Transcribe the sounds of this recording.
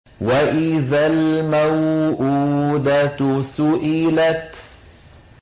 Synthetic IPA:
waʔɪðalmawʔuːd̪asʊʔɪlat̪

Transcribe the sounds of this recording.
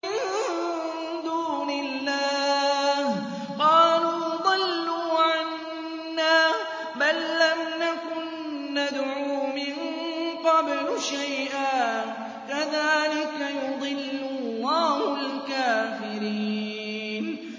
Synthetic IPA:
ɪn | d̪uːnɪlːaːh | qɑːluːd̪ˤɨlːuːʕanː | aː | balːamnakʊnː | ad̪ʕuːmɪnqɑblʃajʔaː | kaðaːlɪkajʊd̪ˤɨlːʊlːɑːhʊlkaːfɪɾiː | n

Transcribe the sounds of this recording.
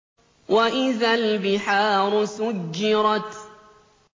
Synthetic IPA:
waʔɪðalbɪħaːɾˤʊsʊɡːɪɾˤɑt̪

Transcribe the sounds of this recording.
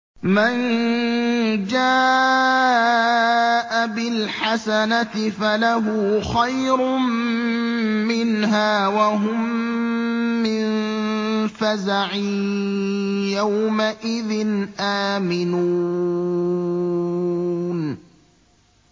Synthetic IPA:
man | d͡ʒaː | ʔabɪlħasanat̪ɪfalaɦuːxajɾʊm | mɪnɦaːwaɦʊm | ɪn | fazaʕiː | jawmaʔɪðɪnʔaːmɪnu | n

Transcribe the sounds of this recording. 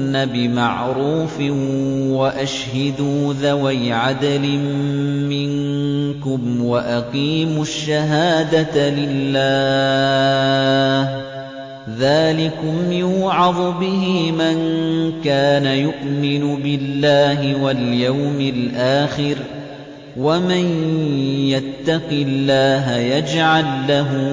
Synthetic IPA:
nːabɪma̰ʕɾuːfɪwaʔaʃhad̪uːðawajʕad̪alɪmmɪnkʊmwaʔaqiːmʊʃːaɦaːd̪alɪlːaː | ðaːlɪkʊmjɪjʊːʕɑðˤʊbɪɦɪmankaːnajʊʔmɪnʊbɪlːaːɦɪwaljawmɪlʔaːxɪɾ | waman | jat̪ːɑqɪlːaːɦajad͡ʒʕalːaɦʊ

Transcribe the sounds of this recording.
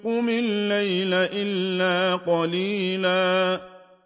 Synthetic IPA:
kʊmɪnlejlaʔɪlːaːqɔliːlaː

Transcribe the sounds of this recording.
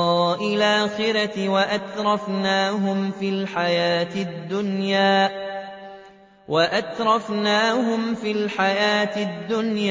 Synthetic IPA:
ʔɪlʔaːxɪɾat̪waʔat̪ɾˤɑfnaːɦʊmfiːlħajaːt̪ɪd̪ːʊnjaː | waʔat̪ɾˤɑfnaːɦʊmfiːlħajaːt̪ɪd̪ːʊnja

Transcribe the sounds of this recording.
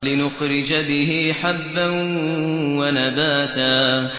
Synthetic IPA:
lɪnʊxɾɪd͡ʒabɪɦiħabːan | wanabaːt̪aː

